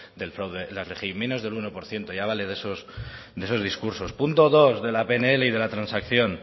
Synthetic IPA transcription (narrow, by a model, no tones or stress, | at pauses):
d̪e̞lfɾawðelalexime̞no̞zðe̞luno̞po̞ɾθje̞nt̪oʝaβ̞ale̞ðe̞sos | d̪e̞so̞zð̞iskuɾso̞spunt̪o̞ðozðe̞lapeneele̞iðe̞lat̪ɾansakθjo̞n